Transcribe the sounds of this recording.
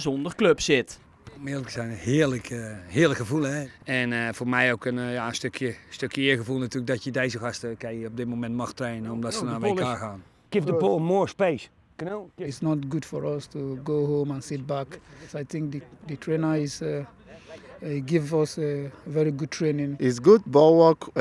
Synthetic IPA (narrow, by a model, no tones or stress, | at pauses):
zɔndərkløpsɪt | ɔmɪləkəsɛjnəhɪərləkʰəhɪələkxəvulˠəɛɛnəfoːrmɛjowkənjaəstøkʰjəstøkʰjəɪəɣəvulˠnatyːlək̚dɔtjədejzəxastəkɛjəɔb̚dɪtmomɛntmɔxtreːnənɔmdɔtsənaʋelˠkaːɣaːn | ɡ̥ɪfdəbolˠmoɹspeːs | knɪtsnɔtɡudfɔɹɔstʰuɡoːɦõmə̃nsɪt̚baksajθɪ̃ŋk̚dədətʰɹenə˞ɪs | iɡɪvzɔsəvɛɹiɡud̚tʰɹenɪ̃ŋɪtsɡudbɔlˠwɔk